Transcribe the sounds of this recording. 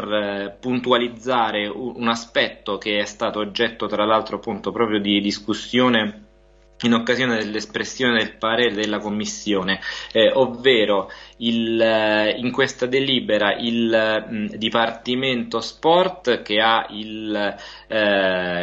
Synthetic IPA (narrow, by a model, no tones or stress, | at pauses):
rpunt̪ualid̪zːaːɾeuunaspɛt̪ːok̟eɛst̪aːt̪oːd͡ʒːɛt̪ːot̪ɾalːalt̪ɾoapːunt̪opɾɔːpɾjod̪id̪iskusːjoːne | inokːazjoːned̪elːespɾesːjoːned̪elpaɾeːɾed̪elːakomːisːjoːneovːeːɾoil | iŋkwest̪ad̪eliːbeɾaʔil | d̪ipart̪iment̪ospɔrt̪k̟eail